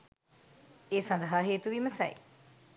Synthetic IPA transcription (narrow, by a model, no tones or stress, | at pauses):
esɐnd̪ɐɦaɦeːt̪uʋimɐsɐ̰j